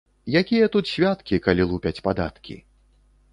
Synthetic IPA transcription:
jakʲijɐt̪ut̪sʲvʲat̪kʲikalʲilˠupʲɐt͡sʲpad̪a̰t̪kʲʰḭ

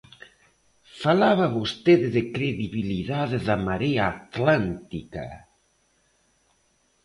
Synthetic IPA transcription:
falaβaβost̪eðeðekɾeðiβiliðaðeðamaɾeaːt̪lant̪ika̰

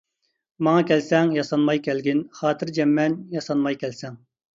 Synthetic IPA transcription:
mɑŋɑkʲʰɛlsɛŋjɑsɑnmɑjkʲʰɛlɡʲɪnχɑːt̪ʰɪɾd͡ʒɛmːɛnjɑsɑnmɑjkʲʰɛlsɛŋ

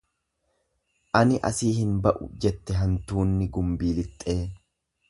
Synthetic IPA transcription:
ʔɐnɪʔɐ̰siːhɪnbɐʔʊ̰d͡ʒɛt̪ːɛɦɐnt̪uːnːɪɡʊmbiːlɪt̪ʼːe̞ː

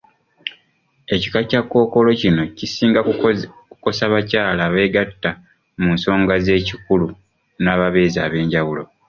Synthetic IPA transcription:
e̞ci̥kacakːo̞ːko̞lo̞cino̞cisiːŋɡakuko̞saβacaːlaːβe̞ːɡatːa | munso̞ːŋɡaze̞ːcikulu | naːβaβe̞ːza̰ːβe̞ːɲɟaβulo̞

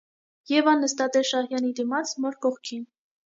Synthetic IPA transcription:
jɛvɑnːəst̪ɑt̪ɛʃɑhjɑnid̪imɑt͡sʰmɔɾkɔχkʰin

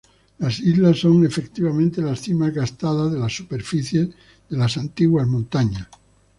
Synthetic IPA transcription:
lasizlasːo̞ŋe̞fe̞kt̪iβamẽnt̪e̞lasθimazɣast̪aðazðelasːupe̞ɾfiθje̞z | ðe̞lasant̪iɣwazmõnt̪aɲas

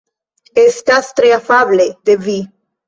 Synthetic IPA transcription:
est̪ast̪ɾeafabled̪̥evi

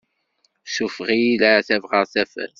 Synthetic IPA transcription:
ʃufʁiilaθævʁəʁθæfæ̰θ

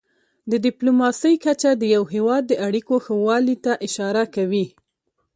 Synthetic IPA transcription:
d̪ədɪplomɑsəjkat͡ʃad̪əjawɦewɑd̪̚ːəʔaɽikoxəwɑlit̪aʔɪʃɑɾakawi

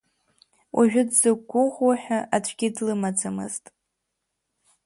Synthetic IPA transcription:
wʔaʒᶣʊdz̥ɨɡ̚ɡʷʊχʷwaħᶣaʔat͡ʃʷʰɡʲɪdlɨmad͡zamɨ̰ztʼ

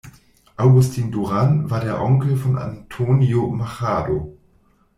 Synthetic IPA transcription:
ʔaʊɡʊstʰiːnduʁanvaːɐdeːɐʔɔŋkl̩fɔnʔa̰ntʰoːnjomaχaːdo

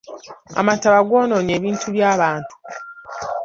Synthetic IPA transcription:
a̰mataβaɡoːno̞ːɲe̞ːβiːntʰuβjaːβaːntʰu̥

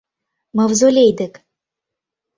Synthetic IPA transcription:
məvzolʲejd̪ək

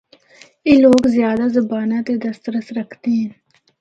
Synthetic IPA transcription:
eːloːɡzjaːd̪azəbaːnãːt̪ed̪əst̪ɾəsɾəkʰt̪eɦɛ̃n

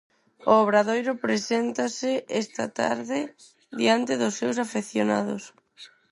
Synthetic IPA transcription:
ooβ̞ɾaðojɾʊpɾesent̪asɪɛst̪a̰t̪a̰ɾðɪ | ðiant̪ɪðʊsːewsafeθjona̰ðʊ̰s

